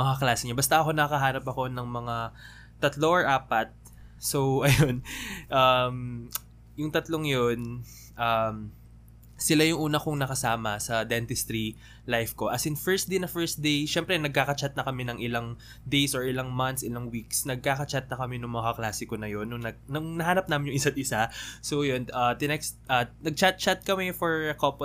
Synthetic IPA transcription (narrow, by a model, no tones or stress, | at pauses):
mɐŋaklaːsɪɲabɐst̪ɐʔɐko̞nɐɐkɐɦaːnɐpɐko̞nɐŋmɐŋa | t̪ɐt̪loɐɹʔaːpɐt̪̚ | so̞wʔɐjo̞nʔam | jʊŋt̪ɐt̪loŋjon | ʔɐm | sɪlajʊŋʔuːnɐkʊŋnɐkɐsaːmɐsɐd̪ɛnt̪ɪst̪ɾi | lajfko̞ʔɐsɪnfɛɹs̚d̪ejnɐfɛɹs̚d̪ejʃɛmpɾɛnɐɡ̚kaːkɐt͡ʃat̪̚nɐkɐmɛnɐŋʔɪlaŋ | d̪ejsoɹɪlaŋmant̪sɪlaŋwiksnɐɡ̚kaːkɐt͡ʃat̪̚nɐkɐmɛnʊŋmɐŋaklaːsɪkonɐjo̞nːʊŋnɐɡnɐŋnɐɦaːnɐp̚naːmɪnjʊŋʔɪsat̪̚ʔɪsasojonaːt̪ɪnɛkst̪̚ʔɐnɐɡ̚t͡ʃat̪̚t͡ʃat̪̚kɐmɛfoɹkopo